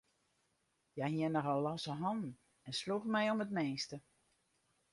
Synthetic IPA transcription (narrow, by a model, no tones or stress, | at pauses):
jahiənɔxɔlˠːɔsəɦɔndn̩ | ɛnsluxmɛjɔmətmeːstə